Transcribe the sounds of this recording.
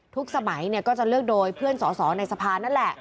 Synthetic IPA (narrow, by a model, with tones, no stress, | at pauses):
t̪ʰu˦˥k̚sa˧ma˩˦jni˥˩əkɔː˥˩t͡ɕa˨˩lɯ˥˩ək̚doː˧jpʰɯ˥˩ənsɔː˩˦sɔː˩˦na˧jsa˧pʰaː˧na˦˥˩nlɛ˨˩ʔ